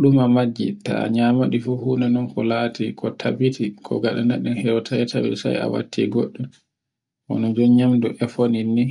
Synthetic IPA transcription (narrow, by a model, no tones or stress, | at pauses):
ɗumamad͡ʒːḭta̰ɲamaɗifuhunanɔnkɔlatikʰɔtʰabitikʰɔ̰ɡaɗanaɗɛnhɛɾɔtʰajtʰawḭsa̰ja̰wa̰tʰːḭɡoɗːu | ʔɔ̰nɔd͡ʒɔɲamduʔɛfoninːi